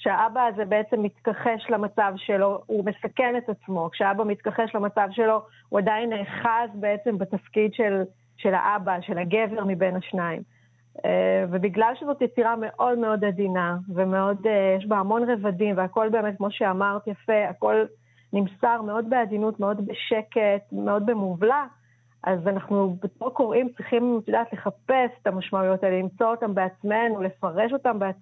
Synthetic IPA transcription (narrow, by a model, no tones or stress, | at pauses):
kʃeaʔabaːzebe̞et͡semːit̪kaχeʃlamat͡savʃelo̞ume̞sake̞netat͡smo̞kʃeaabamit̪kaχeʃlamat͡savʃe̞lo̞ | uadainːeːχazbe̞et͡se̞mbatafkidʃel | ʃe̞la̰ʔabaʃelaɡeveʁmibe̞nhaʃnaim | evebiɡlalʃezo̞tjet͡siʁame̞ʔo̞dme̞o̞dadinaveme̞o̞dejeʃ̬bohamo̞nʁevadimveako̞lbe̞ːmet̚kmo̞ʃeamaʁt̪jafe̞ako̞l | nimsaʁme̞o̞dbeadinutme̞o̞dbeʃe̞ke̞tmeo̞dbemuvla | ʔazanaχnubetoko̞ʁʔimt͡sʁiχimtjud̪aːtle̞χape̞se̥tamaʃmaujo̞talelimt͡so̞otambeat͡sme̞nule̞faʁe̞ʃo̞tambea